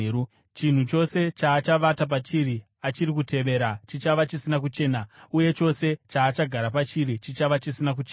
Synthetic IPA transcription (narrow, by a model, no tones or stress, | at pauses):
u | t͡ʃin̤ut͡ʃo̞se̞t͡ʃaːt͡ʃaʋatap̬at͡ʃiɾi | at͡ʃiɾik̬ute̞ʋe̞ɾat͡ʃit͡ʃaʋat͡ʃisinakut͡ʃe̞ːnauje̞t͡ʃo̞se̞t͡ʃaːt͡ʃaɡʱaɾapat͡ʃiɾit͡ʃit͡ʃaʋat͡ʃisinak̬ut͡ʃe